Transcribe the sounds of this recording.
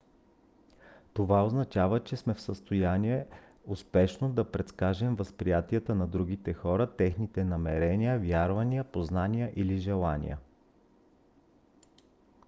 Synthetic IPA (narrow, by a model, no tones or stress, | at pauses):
t̪ovaoznɐt͡ʃavət͡ʃɛsmɛfsəst̪ojaniɛ | ʊspɛʃnod̪ɐpɾɛt̪skaʒɛmvəspɾijat̪iət̪ənɐd̪ɾuɡ̟it̪ɛxɔɾət̪ɛxnit̪ɛnɐmɛɾɛnijəvʲjaɾvɐniəpoznanijəʔiliʒɛlˠanʲḭjə̰